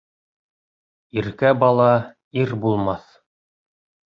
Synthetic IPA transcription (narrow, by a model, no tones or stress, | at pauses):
iɾkæbɑlˠɑ | iɾbulˠmɑθ